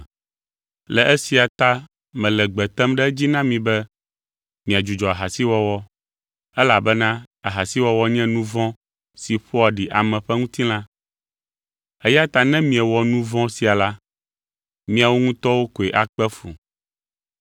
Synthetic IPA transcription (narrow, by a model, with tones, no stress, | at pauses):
lɛ˨ʔɛ˦si˨a˨t̪a˦ | mɛ̃˨lɛ˨ɡ͡bɛ˨t̪ɛ˦mɖɛ˦d͡ʑi˦nã˦mĩ˨bɛ˦ | mĩ˨a˨d͡ʒu˨d͡ʒɔ˨a˨ɦa˨si˦wɔ˦wɔ˦ | ɛ˦la˨bɛ˦nã˦ | a˨ɦa˨si˦wɔ˦wɔ˦ɲɛ̃˦nũ˦vɔ̃˦ | si˨ɸo˦a˨ɖi˨ʔa˨mɛ̃˨ɸɛ˦ŋũ˦t̪ĩ˦lã˦ | ɛ˦ja˦t̪a˨nɛ̃˦mĩ˨ɛ˨wɔ˨nũ˦vɔ̃˦si˨a˨la˦ | mĩ˦a˨wo˦ŋũ˦t̪ɔ˦wo˦ko˨ɛ˨ʔa˨k͡pɛ˦fṵ˨